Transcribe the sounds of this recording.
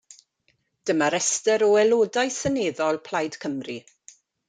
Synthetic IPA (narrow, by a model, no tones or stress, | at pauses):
d̥əmaɾɛstəɾɔɛlˠoːdajsəneːðɔlˠpʰl̥ajd̥kʰəmri